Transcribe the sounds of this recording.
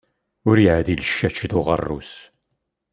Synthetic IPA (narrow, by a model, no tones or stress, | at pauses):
ʊɾjʕðiləʃːæt͡ʃːðʊʁə̰rːṵs